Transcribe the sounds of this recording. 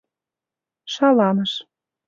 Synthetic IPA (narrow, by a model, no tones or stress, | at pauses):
ʃɑlɑnɤ̆ʃ